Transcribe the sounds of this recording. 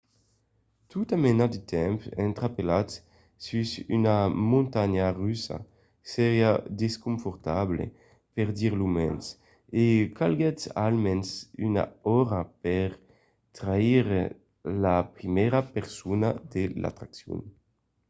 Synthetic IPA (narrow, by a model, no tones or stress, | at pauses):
t̪ut̪amenad̪it̪ʰɛmpɛ̰nt̪ɾapelat̪ | sysynamũnt̪aɲaʁysa̰ | sɛʁjad̪eskuɱfɔɾt̪ablḛ | pɛʁd̪iʁlumɛ̰ns | ekalɡɛt̪salmɛnsyna̰ɔɾapɛʁ | t̪ɾaiʁ | lapɾimɛɾapeʁsunad̪ela̰t̪ɾaksjṵn